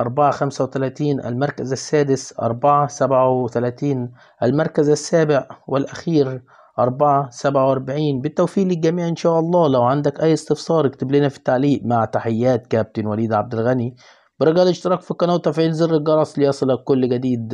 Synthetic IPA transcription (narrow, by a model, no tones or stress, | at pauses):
ʔɑɾˤbaʕaxæmsæwɪt̪ælæːt̪iːnʔæ̰lmɑɾˤkazæsːæːd̪ɪsʔɑ̰ɾˤbaʕasæbʕawt̪ælæːt̪iːn | ʔælmɑɾˤkæzasːæːbɪʕwɪlʔæxiːɾ | ʔɑɾˤbaʕasæbʕawʔɑɾˤbaʕiːnbɪt̪ːæwfiːlːiɡæmiːʕʔɪnʃæːʔɑlˤːɑːlæwʕand̪ækʔæjːɪst̪ɪfsˤɑːɾˤɪkt̪ɪbliːnæfi̥t̪ːaʕliːʔmaʕt̪aħɪjːæːt̪kæːb̚t̪ɪnwæliːd̪ʕab̚d̪ɪlɣæni | b̥ɪɾˤɑɡælʔɪʃt̪ɑɾɑːkfikːɑnæwt̪ˤːæfʕiːlzɪrːɪlɡɑɾˤɑsˤlijɑsˤɨlɑkːʊlːɡæd̪iːd̪